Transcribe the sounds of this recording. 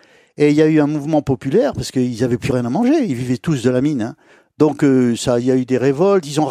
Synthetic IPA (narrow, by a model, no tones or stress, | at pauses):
eiljayɛ̃muvmɑ̃pɔpylɛʁpaʁsə̥kəilzavɛplyʁjɛ̃namɑ̃ʒeilvivɛt̪usd̪əlaminɛ̃ | d̪ɔ̃køsailjayd̪eʁevɔlt̪ilzɔ̃